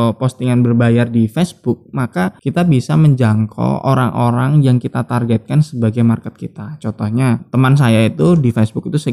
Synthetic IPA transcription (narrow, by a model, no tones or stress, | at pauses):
post̪iŋanbərbajardifɛsb̥ʊk̚makakit̪abisaməɲd͡ʒaŋkʰo̰o̰ɾaŋʔoɾaŋjaŋkit̪at̪arɡɛt̪̚kansəbaɡajmarkət̪̚kit̪at͡ʃɔnt̪ɔhɲat̪əmans̬ajait̪udifɛsbʊk̚it̪usə